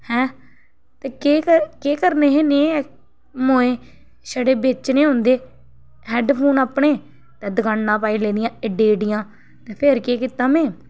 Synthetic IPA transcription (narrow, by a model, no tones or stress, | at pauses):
hɛ̃ː | t̪eːkeːkəkeːkəɾneːɦeːnẽː | moːẽː | saːɖeːbeːt͡ʃnẽːɦõːnd̪eː | ɦɛːɖpʰoːnaːpɳeː | t̪ɛːd̪əɡãːɳnãːpaːiːleːd̪ɪjãːɪɖeːɖɪjãː | t̪eːpʰeɾkeːkɪt̪aːmɛ̃ː